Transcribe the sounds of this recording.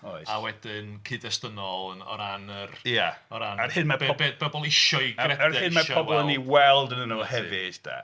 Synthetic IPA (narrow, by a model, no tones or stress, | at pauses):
ɔjawɛdɪnkʰɨdɛstənɔlˠənɔ̰ɾanərjaɔɾanahɨnmabebɔbɔlˠɪʃɔɨɡɛaɛɨnmaʃɔɔbɔlˠəniwɛlˠdənənohɛvɪd̥a̰